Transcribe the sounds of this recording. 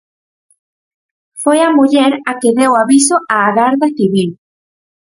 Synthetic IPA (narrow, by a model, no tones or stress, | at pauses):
fojamuʎɛɾakeðewaβisoʔaːɣaɾðaθiβil